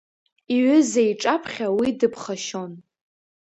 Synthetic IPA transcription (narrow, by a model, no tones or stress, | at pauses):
iɥʏzeiʈ͡ʂʼapʰχʲawidɨpʰχaʃon